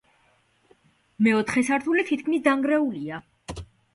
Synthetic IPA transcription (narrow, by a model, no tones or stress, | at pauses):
mɛɔt̪ʰχɛsaɾt̪ʰulit̪ʰit̪̚ʰkʰmisd̪aŋɡɾɛulia